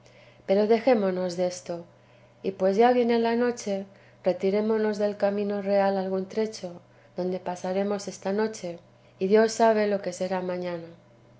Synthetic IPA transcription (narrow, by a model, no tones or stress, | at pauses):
pe̞ɾo̞ðe̞xe̞mo̞no̞zðe̞st̪o̞ | ipwe̞zʝaβje̞ne̞lano̞t͡ʃe̞ | re̞t̪iɾe̞mo̞no̞zðe̞lkamĩno̞re̞alalɣ̞unt̪ɾe̞t͡ʃo̞ | ðo̞nd̪e̞pasaɾe̞mo̞se̞st̪ano̞t͡ʃe̞ | iðjo̞sːaβ̞e̞lo̞ke̞se̞ɾamãɲãna